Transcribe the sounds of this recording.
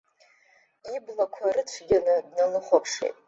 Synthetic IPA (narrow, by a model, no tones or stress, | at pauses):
iblakʷʰaɾɨt͡ɕʷʰɡʲanɨdnalɨχʷapʰʂḛjtʼ